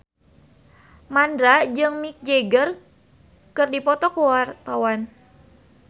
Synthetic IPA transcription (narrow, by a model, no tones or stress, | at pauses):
mandɾad͡ʒɨŋmik̚d͡ʒeɡər | kɨrdipɔt̪ɔkuwart̪awan